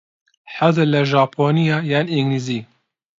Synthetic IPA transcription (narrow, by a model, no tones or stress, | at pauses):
ħad̪ɨlɐʒaːpʰoːnijaːjaːniŋɡliziː